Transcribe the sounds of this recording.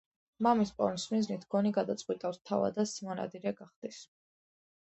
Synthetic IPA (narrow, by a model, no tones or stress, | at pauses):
mamispʼɔ̰mismiznit̪ʰɡ̥ɔniɡad̪at̪sʼqʼwit̪ʼafst̪ʰava̰d̪asimɔna̰d̪iɾɛɡaχd̪̥is